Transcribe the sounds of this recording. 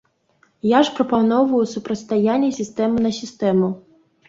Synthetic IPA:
jaʒpɾɔpɐnɔʋʊjʊsʊpɾɔt̪st̪ɐjanʲːisʲist̪ɛmʊnɐsʲist̪ɛmʊ

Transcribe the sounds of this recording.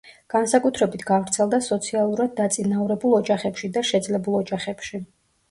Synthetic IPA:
ɡ̥ansakʼut̪ʰɾɛbit̪ʰɡ̥avɾt̪sʰɛlˠd̪asɔt̪sʰialˠuɾad̪̚ːat̪sʼinavɾɛbulˠɔd͡ʒaχɛpʃid̪aʃɛd̪zlɛbulˠɔd͡ʒaχɛpʃi

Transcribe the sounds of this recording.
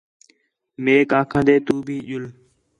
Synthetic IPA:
meːkãːkʰə̃nd̪eːt̪uːbʱiːʄʊl

